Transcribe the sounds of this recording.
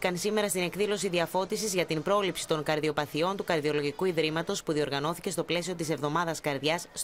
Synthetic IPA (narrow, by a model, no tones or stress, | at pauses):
kɐnsime̞ɾɐst̪ine̞kðilo̞siðiɐfo̞t̪isizʝɐt̪impɾo̞lipsi̥t̪o̞ŋkɐɾðio̞pɐθio̞nt̪ukɐɾðio̞lo̞ʝikuiðɾimɐt̪o̞spuðio̞ɾɣɐno̞θice̞st̪o̞ple̞sio̞t̪ise̞vðo̞mɐðɐskɐɾðʝɐs